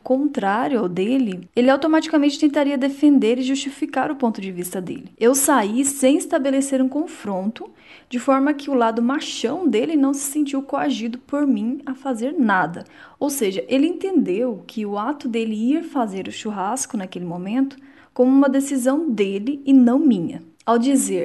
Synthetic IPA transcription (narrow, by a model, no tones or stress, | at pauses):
kõnt̪ɾaɾjʊawd̪elɪelɪawt̪omat͡ʃi̥kamẽnt͡ʃɪ̥t̪ẽnt̪aɾiɐd̪efẽnd̪eɾɪʒust͡ʃifikaɾʊpõnt̪ʊd͡ʒɪvist̪ɐd̪ḛlɪewsaisẽj̃ɪst̪abeleseɾũkõfɾõnt̪ʊ | d͡ʒɪfɔɾmɐkʰɪʊlad̪ʊmaʃɐ̃w̃d̪elɪnɐ̃w̃sɪ̥sẽnt͡ʃiwkoaʒid̪ʊpoɾmĩafazeɾnad̪ɐ | owseʒɐʔelɪẽnt̪ẽnd̪ewkʰɪʊat̪ʊd̪elɪiɾfazeɾʊʃuɦaskʊnakelɪmõmẽnt̪ʊ̥ | kõmʊũmɐd̪esizɐ̃w̃d̪elɪːnɐ̃w̃mĩɲɐ̰ | awd͡ʒizeɾ